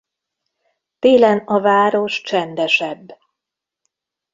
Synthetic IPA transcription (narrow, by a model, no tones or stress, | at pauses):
t̪eːlɛnɒvaːɾo̞ʃt͡ʃɛnd̪ɛʃɛbː